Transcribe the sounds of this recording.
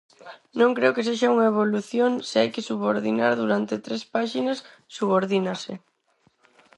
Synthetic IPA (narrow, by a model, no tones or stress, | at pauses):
nõŋkɾeʊkeseʃauŋɐeβ̞oluθjoŋseajkɪsuβoɾðinaɾðuɾant̪et̪ɾespaʃinɐsː | uβoɾðinase